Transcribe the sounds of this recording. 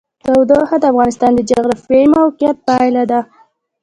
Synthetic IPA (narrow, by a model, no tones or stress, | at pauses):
t̪awd̪əhad̪əafɣɑnɪst̪ɑnd̪əd͡ʒaɣɾafwejmawqjat̪̚pajlad̪a